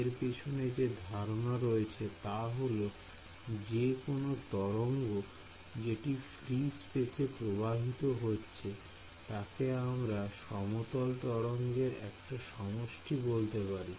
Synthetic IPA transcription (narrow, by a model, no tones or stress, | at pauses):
eɾpet͡ɕʰoned͡ʑed̪ʱaɾonaɾoet͡ɕʰet̪aɦolo | d͡ʑekonot̪ɔɾoŋɡo | d͡ʑeʈifɾispet̪ʰepɾobʱabʱit̪oɦotːɕʰe | t̪akeamɾaʃɔmot̪olt̪ɔɾoŋɡeɾɛ̰kʈaʃɔmoʃʈibolt̪epaɾi